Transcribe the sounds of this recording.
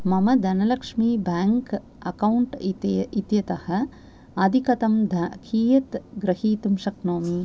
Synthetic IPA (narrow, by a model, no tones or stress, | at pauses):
mɐmɐd̪ʱɐnɐlɐkʂmibaːŋk | ɐkɐwuɳʈ̪it̪jɐt̪ɐhɐ̆ | ɐd̪ʱikɐt̪ɐmd̪ʱɐkʰiːjɐt̪ɡɾɐhiːt̪umʃɐknoːmi